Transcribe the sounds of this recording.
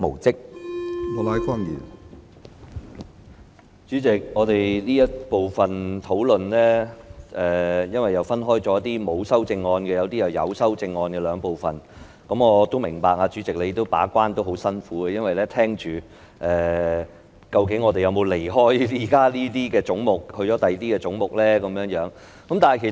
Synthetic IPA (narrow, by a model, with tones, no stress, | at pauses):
mo̰˨˩wt͡sɪ˥k̚ | ɔ˧laː˨˥jka˥ŋjḭː˨˩n | t͡ʃyː˨˥t͡sɪ˨k̚ŋɔː˨˧t̪e˨jliː˥jɐ˥t̚po˨wfɐ˨nt̪ʰo˨˥wlɵ˨nlɛː˥ʔɛː˨jɐ˥nwɐ˨jɐ˨˩wfɐ˥nɦɔː˥jt͡ʃɔː˨˥jɐ˥t̪ːiː˥mo˨˧wsɐ˥wt͡sɪ˧ŋːɔː˧nkɛː˧jɐ˨˧wt̪iː˥jɐ˨˩wjɐ̰˨˧wsɐ˥wt͡sɪ˧ŋːɔː˧nkɛ˧lœː˨˧ŋpo˨wfɐ̰˨n | kɐ˨˥mɔː˨˧t̪o˥wmɪ˨˩ŋpaː˨k̚aː˧t͡ʃyː˨˥t͡sɪ˨k̚le˨˧jt̪ːo˥wpa̰ː˨˥kʷaː˥nt̪o˥wɦo˨˥wsɐ˥nfuː˨˥ɡɛ˧jɐ˥nwɐ˨jlɛː˥t̪ʰɛː˥ŋt͡ʃyː˨ | ʔɛː˨˩ | kɐ˧wkɪ˨˥ŋːɔː˨˧t̪e˨jɐ˨˧wmo˨˧wle˨˩jɦɔː˥jiː˨˩kaː˥liː˥t̪̬iː˥kɛː˧t͡sʊ˨˥ŋmʊ˨k̚hɵ˧ɥjɔ˨˥t̪ɐ˨jt̪iː˥kɛː˧t͡sʊ˨˥ŋmʊ˨k̚lɛː˥kɐ˨˧mjœː˨˥ŋjœː˨˥ŋ | kɐ˨˥mt̪aː˨nhkʰ